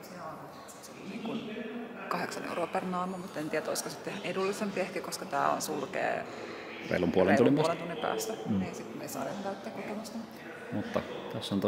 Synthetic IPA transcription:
seon | it̪st̪seliniːŋkunkɑheksɑnḛuroːpernɑːmumut̪ːent̪iːæt̪oiskosit̪ːehæʔedulːˑisempiehkikoskɑt̪æːo̰nsulkḛː | rḛilompuolenunːimplent̪unːimpæ̰ːst̪ænneːsit̪meisɑ̰ːnehoŋtæyt̪ːeːkokemɑst̪ɑmut̪ː | mut̪ːɑt̪æsːont̪

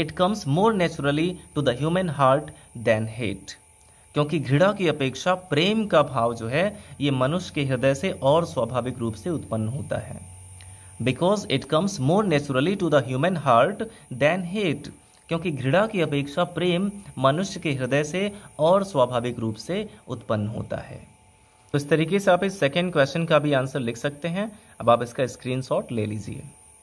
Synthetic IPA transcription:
ɪʈkɐ̃mzmoːɾnɛːt͡ʃɾəliʈud̪əɦjuːmə̃nɦaːɾʈ | d̪ɛːnɦḛːʈ | kjõːkiɡʱɾɪɽakiɐpeːkʃapɾeːmkabʱaːʋd͡ʒoːɦɛjemɐnʊʃjə̥keɦɪɾd̪əseʔɔːɾswaːbʱaːʋɪkɾuːpseʊt̪pənːɦoːt̪a̰ɦɛ̰ː | bɪkɔːzɪʈkɐ̃mzmoːɾnɛːt͡ʃəɾəliʈud̪əɦjuːmə̃nɦaːɾʈ | d̪ɛ̃ːnɦeːʈ | kjõːkiɡʱɾɪɽakiɐpeːkʃapɾeːmːɐnʊʃjəkeɦɪɾd̪əjseɔːɾswaːbʱaːʋɪkɾuːpseʊt̪pənːɦo̰ːt̪a̰ɦɛ̰ː | ɪst̪ɐɾiːkeseaːpɪsːɛkɛ̃ɳɖ̚kwɛst͡ʃənkabʱiaːnsəɾlɪkʰsɐk̚t̪eɦɛ̃ | ɐbaːpɪskaɪskɾiːnsɔːʈlḛːliːd͡ʒiḛː

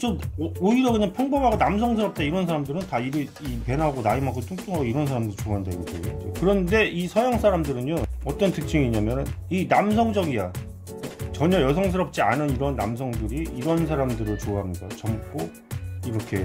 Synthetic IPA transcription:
t͡ɕomoiɾʌkɯɲaŋpʰjʌŋbʌbaɡonams̬ʰʌŋs̬ʰɯɾʌp̚t͈aiɾʌns̬ʰaɾamdɯɾɯntaiɾɯipe̞naɡonaimak͈ot͈ʰuŋt͡ɕ͈oŋɦaɡoiɾʌnsʰaɾamdɯɾit͡ɕoaɦandaiɡd͡ʑʰeɡid͡ʑokɯɾʌnde̞isʰʌjaŋs͈ʰaɾamdɯɾɯɲoʌt͈ʌntʰɯk̚t͡ɕʰɯŋiːɲamjʌnɯninamsʰʌŋd͡ʑʌɡija | t͡ɕʌɲʌjʌsʰʌŋs̬ʰɯɾʌp̚t͡ɕ͈ianɯniɾʌnːa̰ms̬ʰʌŋdɯɾiiɾʌnsʰaɾamdɯɾɯɭt͡ɕoaɦamɲidat͡ɕʌmk͈o | iɾʌkʰe̞

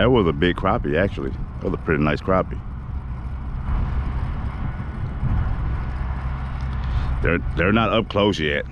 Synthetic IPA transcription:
ɨt̚wʌzəbɪɡ̚kʰɹ̥ɑpiæk̚t͡ʃul̩ˠiðəwʌzəpʰɹ̥ɪɾinaɪskʰɹ̥ɑpi | ðə˞ðə˞nəɾʌp̚kʰl̥oʊsjɛt̚

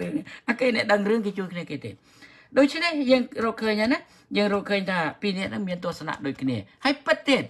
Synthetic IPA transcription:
rɨəŋnʔakeːnɛ̆əʔɗəŋrɨəŋkeːt͡ɕuəjkʰniəkeːt̪ḛː | ɗoːc̚t͡ɕʰnɛhjəːŋrɔːkʰəːɲhaːna | jəːŋrɔːlkʰəːɲt̪ʰaːpiːnɛ̆əʔnɨŋmiənt̪ʊ̆əhsana̰ʔɗoːc̚kʰniəhaːəjpɨt̪̚ːiət̪̚

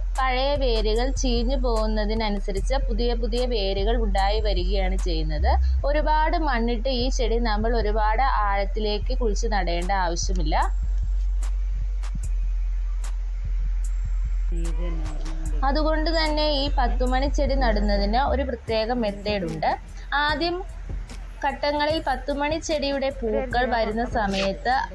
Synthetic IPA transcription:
pɐɻɐjɐʋe̞ːɾiɣɐɭt͡ɕiːɲːɨpo̞ːɣunːɐðinɐnusɐɾit͡ɕːɐpuðijɐpuðijɐʋe̞ːɾuɣɐɭuɳɖaːjiʋɐɾuɣɐjaːɳɨt͡ɕe̞jːunːɐðɨ | o̞ɾubaːɽɨmɐɳːiʈːɨiːt͡ɕe̞ɽinɐmːɐɭo̞ɾubaːɽɨʔaːɻɐt̪ːile̞ːkːɨkuɻit͡ɕːɨnɐɽe̞ːɳɖɐaːʋɐɕjɐmilːɐ | ɐðuɣo̞ɳɖɨt̪ɐnːe̞iːpɐt̪ːumɐɳit͡ɕe̞ɽinɐɽunːɐðinɨo̞ɾuprɐt̪je̞ːɣɐme̞t̪ːe̞ːɽuɳɖɨ | aːd̪jɐm | kɐʈːɐŋːɐɭilpɐt̪ːumɐɳit͡ɕːe̞ɽijuɽe̞puːkːɐɭʋɐɾunːɐsɐmɐjɐt̪ːɨ

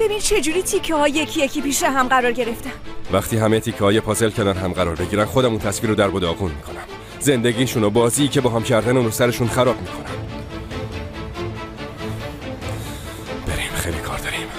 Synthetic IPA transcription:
b̥e̞bint͡ʃʰe̞d͡ʒuɾiːt̪ʰicʰːɛhɒːjjecʰijecʰiːpiːʃeɦæmɢæɾɒːɾɟe̞ɾeft̪evæχt̪ʰiːɦæmet̪ʰiːcʰːɛhɒːjepʰɒːzelcʰæɾd̪ænɦæmɢæɾɒːɾbe̞ɟiːɾænxo̞d̪æmunt̪ʰæsviːɾod̪æɾbod̪ɒːɣunmiːkʰo̞næm | ze̞nd̪e̞ɟiːʃunobɒːziːcʰe̞bɒːɦæmcʰæɾd̪æneunosæɾeʃunxæɾɒːbmiːkʰo̞næm | b̥eɾimxejlikʰɒ̰ːɾd̪ɒɾim

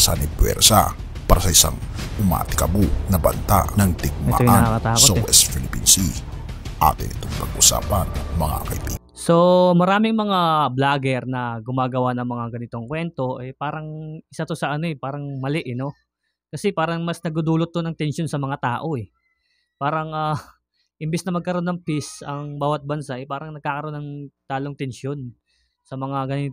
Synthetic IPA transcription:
sanipwɛ̰ɾsa̰ | paːɾasɐʔɪsa̰ŋʊma̰ːt̪ɪ̥kɐbunɐbɐ̰nt̪a̰nɐŋt̪ɪɡ̚mɛa̰ojʔnɐɐkɐt̪aːkoɐwɛst̪filɪpinsi | ʔa̰ːt̪ɪnɪt̪oŋpɐɡʔusa̰ːpɐnmɐŋa̰kɐibḭ | so̞mɐɾaːmɪŋmɐŋablaːɡɛɾnɐɡʊmaːɡɐwanɐŋmɐŋaɡɐnɪt̪o̞ŋkwɛnt̪o̞ʔɛpaːɾɐŋʔɪsat̪o̞sɐʔɐno̞ɛpaːɾɐŋmɐlɛʔɛno̞ | kɐsɛpaːɾɐŋmɐsnɐɡd̪ud̪uːlot̪̚ːonɐŋt̪ɛnʃo̞nsɐmɐŋat̪aːʔo̞ɛ | paːɾɐŋa | ʔɪmbɛsnɐmɐɡ̚kɐɾo̞nːɐŋpisɐŋbaːwɐt̪̚bɐnsaʔɛpaːɾɐŋnɐɡ̚kaːkɐɾo̞nɐŋt̪aːloŋt̪ɛnʃo̞n | sɐmɐŋaɡɐnɪt̪

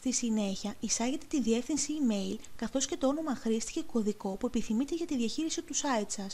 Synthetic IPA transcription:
st̪isine̞çɐisɐʝe̞t̪e̞̥t̪inðie̞fθinsiːme̞ilkɐθo̞sce̞t̪o̞o̞no̞mɐxɾist̪i̥ce̞ko̞ðiko̞pue̞piθimit̪e̞ʝɐt̪iðiɐçiɾisit̪usɐit̪sɐs

